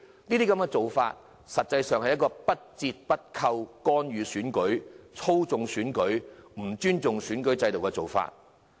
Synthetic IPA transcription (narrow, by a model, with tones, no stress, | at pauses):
niː˥t̪iː˥kɐ˨˥mkɛː˧t͡so˨wfa̰ː˧t̚ | sɐ˨t̚t͡sɐ˧jsœː˨ŋhɐ˨jɐ˥kɔː˧pɐ˥t̚t͡siː˧t̚pɐ˥t̚kʰɐ˧wkɔː˥nɥyː˨˧syː˨˥nkɵ˨˥ɥt͡sʰo˥wt͡sʊ˨ŋsyː˨˥nkɵ˨˥ɥm̩˨˩t͡ʃyː˥nt͡sʊ˨ŋsyː˨˥nkɵ˨˥ɥt͡sɐ˧jt̪o˨wkɛ˧t͡so˨˩wfa̰ː˧t̚